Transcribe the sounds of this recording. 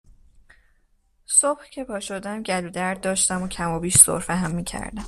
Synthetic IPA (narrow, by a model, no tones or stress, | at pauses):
sobhcʰe̞pʰɒːʃod̪æmɟæluːd̪æɾd̪̚ːɒːʃt̪æmocʰæmobiːʃz̥o̰ɾfæɦæmːiːcʰæ̰ɾd̪æm